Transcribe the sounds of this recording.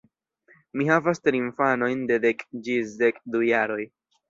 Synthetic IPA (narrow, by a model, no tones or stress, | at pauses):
mihavastɾiiɱfano̞jnde̞dekd͡ʒisdekdujaɾo̞j